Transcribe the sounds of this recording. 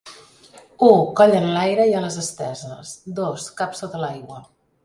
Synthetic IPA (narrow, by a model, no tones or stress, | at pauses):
ukɔʎənlajɾəialəzəst̪ɛzəsd̪oskapsot̪əlajɣwə